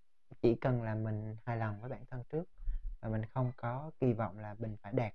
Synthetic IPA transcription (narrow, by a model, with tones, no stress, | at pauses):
t͡ɕḭ˧˩kə˨˩nlaː˨˩mï˨˩ŋ̟haː˧jla˨˩nvəː˨˦jɓaː˧˩nt̪ʰə˧nt͡ɕɨ˦˥ək̚vaː˨˩mï˨˩ŋ̟xə˧wŋ͡mkɔ˨˦ki˧vɔ̰˧˨wŋ͡mlaː˨˩mɓï˨˩ŋ̟faː˧˩jɗɛː˨˩t̚